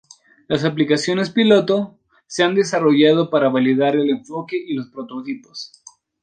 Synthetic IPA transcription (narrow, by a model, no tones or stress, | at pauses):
lasaplikasjo̞ne̞spilo̞t̪o̞ | se̞and̪e̞saro̞ʝað̞o̞paɾaβaliðaɾe̞le̞ɱfo̞ke̞ʔilo̞spɾo̞t̪o̞t̪ipo̞̥s